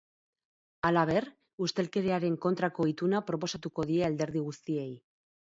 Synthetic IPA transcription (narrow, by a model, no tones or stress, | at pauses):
alaβ̞e̞ɾ | ust̪e̞lke̞ðeaɾe̞ŋko̞nt̪ɾako̞it̪unapɾo̞po̞sat̪uko̞ðieald̪e̞ɾðiɣ̞ust̪ie̞j